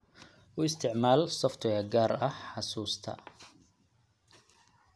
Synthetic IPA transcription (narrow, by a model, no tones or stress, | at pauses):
ʔʊɪst̪ʰɪʕmaːlsɔft̪ʰɔjɐɡaːrɐħɑsuːst̪ʰɐ̰